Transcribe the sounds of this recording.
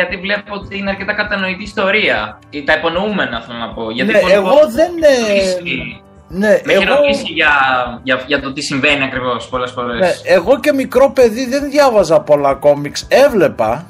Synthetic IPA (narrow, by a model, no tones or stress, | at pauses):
ʝɐt̪ivle̞poot̪iineɐɾce̞t̪ɐkɐt̪ɐno̞it̪iːst̪o̞ɾiɐ | it̪ɐipo̞noume̞nɐftɐnɐpo̞ʝɐtnieːɣo̞ðe̞nisi | ne̞ʔeeɾooisiʝɐʝɐʝɐt̪o̞t̪isiɱve̞niɐkɾivo̞spo̞le̞sfo̞ɾeseeɣo̞ce̞mikɾo̞pe̞ðiðe̞nðʝɐvɐzɐpolɐko̞mikse̞vle̞pɐ̰